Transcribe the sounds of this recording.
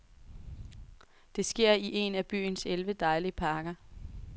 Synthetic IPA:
d̥e̝sɡ̥e̝ɐ̰iʔe̝næb̥y̰ːnselʋəd̥ɑ̈ɪliəpʰɑ̈ːɡ̥ɐ

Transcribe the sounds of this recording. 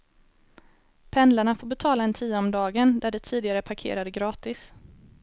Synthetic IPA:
pʰɛnd̪laɳafoːɾbɛt̪ʰɑːlaɛnt̪ʰiːɔmd̪ɑːɡənd̪æɖɛt̪ʰiːd̪ɪɡaɾəpʰaɾkʰḛːɾad̪əɡɾɑːt̪ɪs

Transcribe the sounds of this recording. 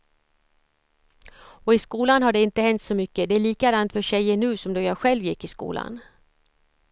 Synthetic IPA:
ɔɪskuːlanɦaɖɛɪnt̪əhɛnt̪sɔmʏkːəd̪ɛæɭiːkad̪ant̪fœɕɛjːəɳʉ̟ːsɔmd̪ɔjɑːɧɛlvjɪkːɪskṵːlʔa̰n

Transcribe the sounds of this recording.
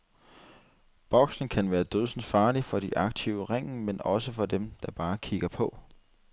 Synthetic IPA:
b̥ɒ̽ɡ̥sn̩kʰænʋæːɐd̥øðˠsn̩fɑ̈ːlifɒ̽ɾ̥iʔɑ̈ɡ̥̚t͡sʰiʊəʁeŋ̰̩menɒ̽səfɒ̽d̥emd̥ɑ̈b̥ɑ̈ːkʰiɡ̥ɐpʰɒ̽

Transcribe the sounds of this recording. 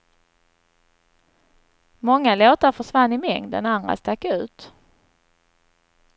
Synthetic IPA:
mɔŋːaloːt̪aɾfœʂvanːɪmɛŋd̪ə̰nand̪ɾa̰st̪akːʉ̟̰ːt̪

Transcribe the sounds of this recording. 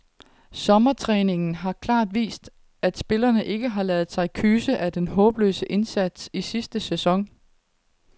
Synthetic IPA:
sɒ̽mɐt͡sʰʁɛːne̝ŋn̩ɦɑ̈kʰlɑ̰̈ːd̥ʋḭːsd̥ | æd̥sb̥e̝lɐnəʔe̝ɡ̥əɦɑ̈lɛːð̩ˠsɑ̈ɪkʰyːsəʔæd̥enɦɔ̽ːb̥lø̰ːsəʔe̝nsæd̥sisisd̥əsesɒ̽ŋ

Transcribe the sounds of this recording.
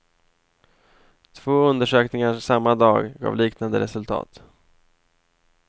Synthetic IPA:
t̪ʰv̥oːɵnd̪əʂøːknɪŋasamːad̪ɑːɡɡɑ̰ːvliːknand̪əɾɛsɵlt̪ʰɑ̰ːt̪

